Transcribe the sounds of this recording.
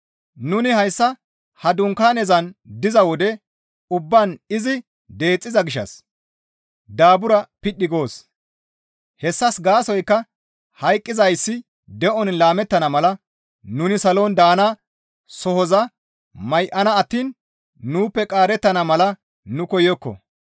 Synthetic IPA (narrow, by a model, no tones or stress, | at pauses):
nʊnɪhɐjsːɐ | hɐd̪ʊŋkaːnɛzɐnd̪ɪzɐwɔd̪ɛ | ʊbːɐnɪzɪ | d̪e̞ːt͡sʼːɪzɐɡɪʃːɐ̰s | d̪aːbʊɾɐpɪɗːɪɡo̞ːs | hɛsːɐsɡaːsɔjkːɐ | hɐjkʼːɪzɐjsːɪ | d̪ɛʔɔnlaːmɛt̪ːɐnɐmɐlɐ | nʊnɪsɐloːnd̪aːnɐ | sɔhɔzɐ | mɐjʔɐnɐːt̪ːiːnː | uːpːɛkʼaːɾɛt̪ːɐnɐmɐlɐ | nʊkɔjɔkːɔ̰